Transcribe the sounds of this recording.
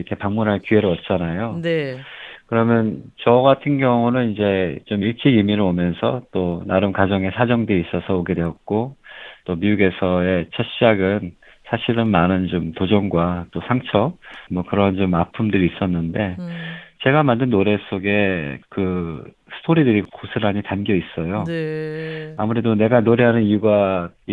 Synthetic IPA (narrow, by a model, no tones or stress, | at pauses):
ʌkʰepaŋmunɦaɭkyɦe̞ɾɯɭʌt̚t͡ɕ͈anajonekɯɾʌmjʌnt͡ɕʌɡatʰɯnɡjʌŋunɯnind͡ʑe̞t͡ɕomiɭt͡ɕ͈iɡimiɾɯɭomjʌnsʰʌt͈onaɾɯmkad͡ʑʌŋe̞sʰad͡ʑʌŋdeis͈ʌsʰʌoɡe̞dwe̞ʌt̚k͈ot͈omiuɡe̞sʰʌe̞t͡ɕʰʌɕ͈ʰid͡ʑaɡɯn | sʰaɕʰiɾɯnmanɯnt͡ɕomtod͡ʑʌŋɡwat͈osʰaŋt͡ɕʰʌp̚mwʌkɯɾʌnt͡ɕomapʰumdɯɾiːs͈ʌnːɯnde̞t͡ɕe̞ɡamandɯnːoɾe̞s͈ʰoɡe̞kɯ | sʰɯ̥tʰoɾidɯɾikosʰɯɾɦaɲitanɡjʌis͈ʌjo | amuɾe̞done̞ɡanoɾeɦanɯniuɡa